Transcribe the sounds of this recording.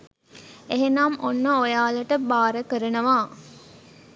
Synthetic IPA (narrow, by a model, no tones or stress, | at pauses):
eɦenaːmʔonːəojaːləʈəbaːɾəkəɾənəʋaː